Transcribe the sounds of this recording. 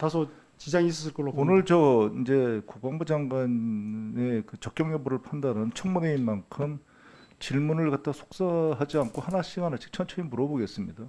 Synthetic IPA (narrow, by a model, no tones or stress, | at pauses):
t̪asʰo | t͡ɕid͡ʑaŋis̬ʰɯsʰɯɭk͈ʌɭːoonɯɭt͡ɕʌind͡ʑe̞kuk̚p͈aŋbud͡ʑaŋɡwane̞kɯt͡ɕʌk͈jʌŋjʌbuɾɯɭpʰandanɯnt͡ɕʰʌŋmuneinmankʰɯm | t͡ɕiɭmunɯɭkat̚t͈asʰo̥k̚s͈aɦad͡ʑiankʰohanaɕʰiɡanat͡ɕʰi̥k̚t͡ɕʰʌnt͡ɕʰʌimuɾʌboɡe̞s͈ɯmɲida